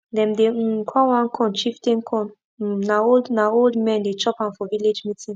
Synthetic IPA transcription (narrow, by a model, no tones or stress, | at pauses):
dɛ̃mdekʰɔ̃wãnkʰɔ̃nt͡ʃiftĩnkʰɔ̃n̩ | naoldnaoldmɛ̃ndet͡ʃɔpãmfɔviled͡ʒmitĩn